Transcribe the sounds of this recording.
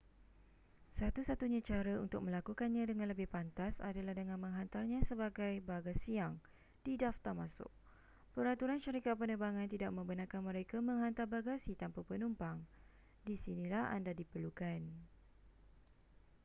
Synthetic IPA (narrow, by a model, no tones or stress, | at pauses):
sat̪usat̪uɲãt͡ʃaɾəunt̪ʊk̚mə̃lakukanɲãdəŋãnləbɪhpant̪asa̰dalahdəŋãnmə̃ŋɦant̪arɲãsəbaɡajbaɡasiaŋ | d̥idaft̪armãsʊ̰k̚ | pəɾat̪uɾanʃəɾikat̪̚pənəbaŋãnt̪idaʔ̚mə̃mbənakanmə̃ɾekamə̃ŋɦant̪arbaɡasit̪ampəpənumpaŋ | disinĩlaha̰ndadipərlukan